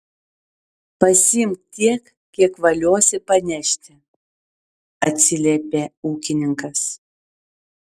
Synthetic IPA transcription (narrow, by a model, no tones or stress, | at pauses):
pɐsʲɪmʲt̪t̪ʲiɛk | kʲiɛkʋɐlʲuɔsʲɪpɐnʲɛʃʲt̪ʲɪ | ɐt̪ʲsʲɪlʲepʲeuːkʲɪnʲɪŋkɐs